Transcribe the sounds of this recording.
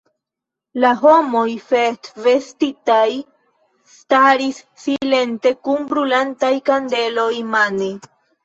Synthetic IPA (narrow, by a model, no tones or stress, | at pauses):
laɦo̞mo̞jfestve̞stitaj | staɾisːile̞nte̞kunbɾulantajkande̞lo̞jmane